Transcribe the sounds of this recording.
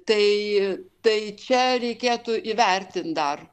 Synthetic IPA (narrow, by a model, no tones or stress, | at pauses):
t̪ɐɪt̪ɐɪt͡ʃʲɛɾʲɛɪkʲeːt̪ʊʔiːʋʲɛrʲt̪ʲɪnt̪̚d̪ɐr